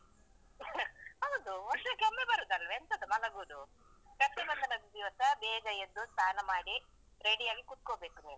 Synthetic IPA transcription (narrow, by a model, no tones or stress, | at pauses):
ɐʋɐd̪uɔʂɐkɐmːebɐɾud̪ɐlʋent̪ɐd̪umɐlɐɡuːd̪u | kɐʈːɐbɐnd̪ɐnɐɡud̪iːʋɐt̪ɐbɛːɡɐjed̪ːust̪ʰaːnɐmaːɽi | ɾeɽijaːɡikut̪̚kobe̞ːkuniːnu